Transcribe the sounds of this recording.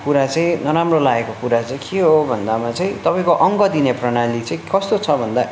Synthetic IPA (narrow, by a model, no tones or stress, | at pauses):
kuɾat͡sʌĩnʌɾamrolaekokuɾat͡saĩkeɦobʱʌnd̪amat͡sʌĩt̪ʌpaĩkoʔʌŋɡʌd̪ineprʌnalit͡sʌ̃ĩkʌst̪ot͡sʰʌbʱʌnd̪a